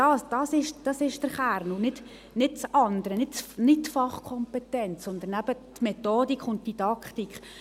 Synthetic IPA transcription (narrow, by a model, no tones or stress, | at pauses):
d̥ɑːsd̥ɑːsɪʃd̥ɑsɪʃd̥əɾχæɾnʊnɪt | nɪt̚t͡sɑndəɾənɪtt͡snɪt̚tfɑχkʰɔmpɛtɛnt͡ssɔnd̪ənæb̥ətmɛtoːdikχʊnt̚d̥idɑkχtikʰχ